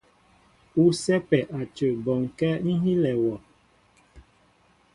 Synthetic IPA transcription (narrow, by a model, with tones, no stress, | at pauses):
u˦sɛ˦pɛ˨ʔa˨t͡ʃə˨bɔ˨ŋ˨kɛ˦n̩˦ɦi˦lɛ˨wɔ˨